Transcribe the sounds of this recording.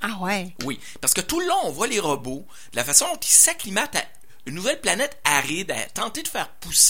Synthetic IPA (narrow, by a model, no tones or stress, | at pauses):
awɛwi | paʁsə̥kət̪uləlɔ̃ɔ̃vwaleʁəbo | d̪̥əlafasɔ̃d̪ɔ̃t̪ilsaklimat̪a̰ | ynːuvɛlplanɛt̪aʁid̪a̰t̪ɑ̃t̪ed̪əfɛːʁpus